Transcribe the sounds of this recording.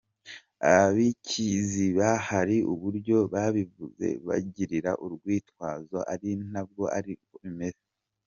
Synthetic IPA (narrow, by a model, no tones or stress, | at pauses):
a̰βaβicʰiziβahaɾiʔuβuɾɟo̞βaβivuze̞̰βa̰ɟiɾiɾa̰ʔuɾɡwiːtwaːzo̞ʔaɾin̥ab̚ɡo̞a̰ɾioime̞ze